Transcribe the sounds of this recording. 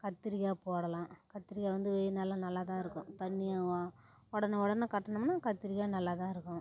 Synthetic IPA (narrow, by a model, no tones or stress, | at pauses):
kɐt̪ːɪɾɪjaːpoːɽɐlãːkɐt̪ːɪɾɪjaːʋɐnd̪ɯʋenaːlãnɐlːaːt̪ãːɪɾɯkːʊ̃t̪ɐnːɪjã | ɔɽɐnɐɔɽɐnːɐkɐʈːɐɳɐmnːaːkɐt̪ːɪɾɪjaːnɐlːaːt̪ãːɪɾɯkːʊ̃